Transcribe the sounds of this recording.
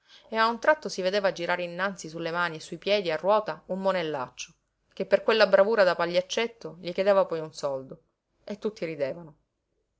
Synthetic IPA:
eaunt̪ɾat̪ːosived̪eːvad͡ʒiɾaːɾeinːant̪sisulːemaːniesːuipjɛːd̪iarːwɔːt̪aumːonelːa̰t͡ʃːo | k̟epːerkwelːabɾavuːɾad̪apaʎːat͡ʃːet̪ːoʎiked̪eːvapɔjunsɔld̪o | et̪ːut̪ːiɾid̪eːvano

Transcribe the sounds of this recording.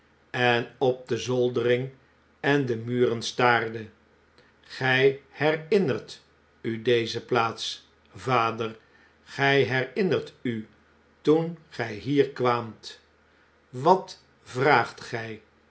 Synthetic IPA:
ɛnɔb̚dəzɔlˠdərɪŋ | ɛndəmyːrənstaːrdə | χɛjhɛrɪnərt | ydejzəplaːts | vaːdər | χɛjɦɛrɪnəɹty | tunχɛjɦiːɹkʋaːmt | ʋɑt | vraːχtχɛj

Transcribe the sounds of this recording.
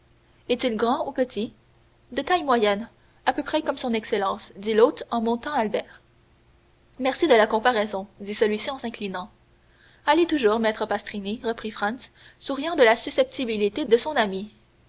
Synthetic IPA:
ɛt̪ilɡʁɑ̃upət̪ʰi | d̪et̪ajmwajɛn | apøpχɛkɔmsɔ̃nɛkselɑ̃ːsd̪ilot̪ɑ̃mɔ̃t̪ɑ̃albɛːʁ | mɛʁsid̪əlakɔ̃paʁɛzɔ̃d̪isəlɥisiɑ̃sɛ̃klinɑ̃ | alet̪uʒuːʁmɛt̪χəpast̪ʁiniʁəpχifʁɑ̃ns | suʁijɑ̃d̪əlasysɛp̚t̪ibilit̪ed̪əsɔ̃nami

